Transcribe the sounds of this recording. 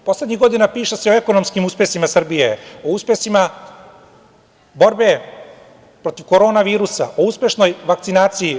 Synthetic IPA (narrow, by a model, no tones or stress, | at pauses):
po̞sled̪ʲɲiɣɡo̞d̪inapiːʃese̞o̞eko̞no̞mskimuspesimasr̩bijeouspesima | bo̞ɾbe̞ | pɾo̞t̪iʋkoɾo̞ːnaʋiːɾusa̰ʔo̞uspje̞ʃno̞jʋak̚tsinaːt̪siji